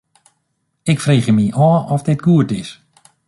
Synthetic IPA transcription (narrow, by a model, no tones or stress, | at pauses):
ɪkfreːχjəmiʔɔːɔfdɪtɡuətɪs